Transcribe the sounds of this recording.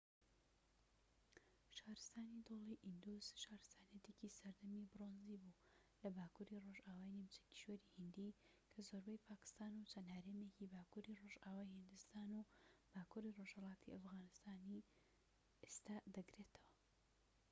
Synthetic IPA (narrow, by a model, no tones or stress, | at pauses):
ʃaːɾɨst̪aːnid̪olˠiʔind̪uz̥ʃaːɾɨst̪aːnijɛt̪ecisɐɾd̪ɐmibɨronzibulɐbaːkuɾiroʒaːwaːjnimt͡ʃɐ̥ci̥ʃweɾihɨnd̪i | kʰɐzoɾbɛjpʰaːkɨ̥st̪aːnut͡ʃʰɐnhaɾeːmecibaːkuɾiroʒaːwaːjhɨnd̪ɨst̪aːnub̥aːkuːɾiroʒ̥hɐlˠɑːt̪ʰiʔɐfɣaːnɨst̪aːni | est̪aːd̪ɐɡɾe̞t̪ʰɐwɐ